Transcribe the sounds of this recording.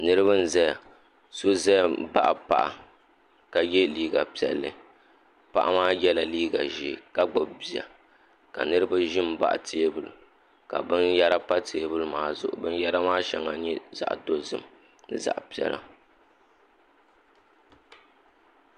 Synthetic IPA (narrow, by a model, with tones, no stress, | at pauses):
nɨ˦ɾɨ˦βɨ˦n̩˦zɛ˦ja˨ | so˦zɛ˦˨˦ba̰˦ʔa˨pa˦˨ʔa̰˨ | ka˨jɛ˦liː˦ɡa˨pi˦˨ɛ̰˨lːɨ̰˨ | pa̰˦ʔa̰˦maː˦jɛ˦la˨liː˦ɡa̰˨ʒi˨ka˦ɡ͡bʊ˨bbi˨ja̰˨ | ka̰˨nɨ˦ɾɨ˦ba˦ʒɪ˦m˦ba̰˦ʔtʰeː˦bɨ˨l̰ | ka̰˨bɨ˦nja˦ɾa˦pa˦tʰe˨˦bɨ˦lmaː˨zʊ̰˨ʔʊ̰˨bɨ˦n˦ja˦ɾa˦maː˦ʃɛ̰˨ŋa˨ɲɛ˦za̰˨ʔdo˦zɨ˨m˨ | nɨ˦za̰˨ʔpi˦ɛ̰˦la̰˦